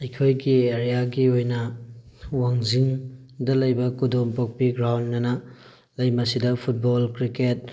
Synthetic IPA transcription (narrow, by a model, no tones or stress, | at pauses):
ɐjkʰojɡieɾijaɡiojnɐ | waŋziŋ | dɐlɐjbɐkudompok̚piɡɾawnːɐnɐ | lɐjmɐsidɐpʰut̚bolkɾiket̚